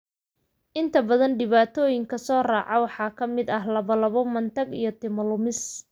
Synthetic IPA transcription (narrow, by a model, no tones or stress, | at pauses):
ʔɪnt̪ʰɐbɐðɐnɖɪβaːt̪ʰɔːjɪŋkʰɐsɔːraːʕɑwɑħɑːkʰɐmɪd̪ɐɦlɐβɐlɐβɔmɐnt̪ʰɐɡḭjɞt̪ʰɪmɐlʊmɪs